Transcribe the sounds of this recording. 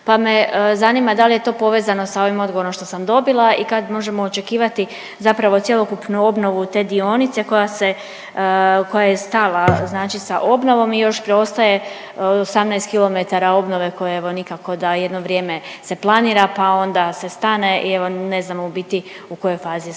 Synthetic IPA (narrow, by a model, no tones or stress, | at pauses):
pame̞zaniːmad̪alije̞t̪o̞ːpo̞ʋeːzano̞sao̞ʋimo̞d̪ɡo̞ʋo̞ɾo̞mʃt̪osamd̪o̞bilˠaikad̪mo̞ʒe̞moːt͡ʃe̞kiːʋat̪i | zapɾaʋo̞t̪sʲjelˠokupnuo̞bno̞ʋut̪e̞ːd̪io̞nit̪se̞ko̞jase | ko̞jajest̪alˠaznaːt͡ʃisaʔo̞bno̞ʋo̞mijo̞ʃpɾeo̞st̪aje̞ | osamnɛjst̪kilˠo̞me̞t̪aɾao̞bno̞ʋe̞ko̞jeeʋo̞nikako̞d̪ajed̪no̞ʋɾje̞ːmese̞plˠaniːɾapao̞nd̪ase̞st̪ane̞ʔieʋo̞ne̞znamobit̪iuko̞jo̞jfaːzi